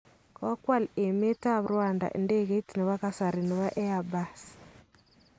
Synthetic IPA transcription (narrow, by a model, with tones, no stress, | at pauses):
ka˦kwa˦˨le˨me˦ta˦βɾwaː˨nda̰˨ʔḛ˨nde˦ɣe˦tine˨βa˦kasa˨ɾi˨nɪ˨βa˦ʔɛ˦abas